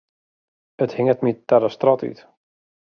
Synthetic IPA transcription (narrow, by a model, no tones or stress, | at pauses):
əthɪŋətmitaɾəstrɔty̰t